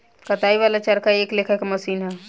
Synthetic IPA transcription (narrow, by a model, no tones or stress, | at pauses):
kət̪aiβalat͡ʃəɾkaeːklekʰakeməsiːnɦɛ